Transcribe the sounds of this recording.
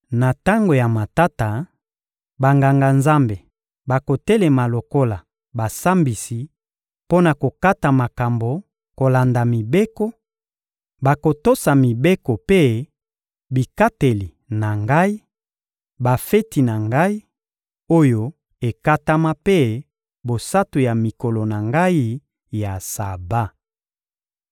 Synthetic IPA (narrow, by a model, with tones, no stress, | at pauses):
na˨ta˦ŋɡo˨ja˨ma˨ta˦ta˨ | ba˨ŋɡa˨ŋɡa˨nza˦mbe˨ | ba˨ko˨te˦le˨ma˨lo˨ko˦la˨ | ba˨sa˦mbi˨si˨ | po˦na˨ko˨ka˦ta˨ma˨ka˨mbo˨ | ko˨la˨nda˨mi˨be˦ko˦ | ba˨ko˨to˦sa˨mi˨be˦ko˨pe˦ | bi˨ka˦te˨li˨ | na˨ŋɡa˦i˦ | ba˨fe˦ti˨na˨ŋɡa˦i˦ | o˦jo˦ | e˨ka˦ta˦ma˦pe˦ | bo˨sa˦tu˨ja˨mi˨ko˨lo˨na˨ŋɡa˦i˦ | ja˨sa˨ba˦